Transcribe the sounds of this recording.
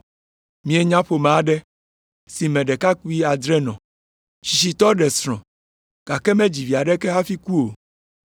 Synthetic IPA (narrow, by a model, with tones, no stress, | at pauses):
mĩ˨e˨ɲã˦ɸo˨mɛ̃˨a˦ɖɛ˦ | si˨mɛ̃˨ɖɛ˨ka˦ku˦i˦a˨d̪ɾɛ˦nɔ̃˨ | ʃi˨ʃi˨t̪ɔ˦ɖɛ˨sɾ̃ɔ̃˨ | ɡ̥a˨kɛ˦mɛ̃˦d͡ʑi˨vi˨a˨ɖɛ˦kɛ˦ɦa˦fi˦ku˦o˨